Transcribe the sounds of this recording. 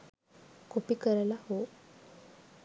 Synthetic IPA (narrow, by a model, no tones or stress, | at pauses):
kʰopiːkəɾlaho